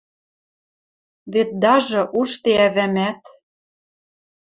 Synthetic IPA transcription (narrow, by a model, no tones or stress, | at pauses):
βet̪̚d̪ɑʒɤ̆ʔuʃt̪eæβæmæt̪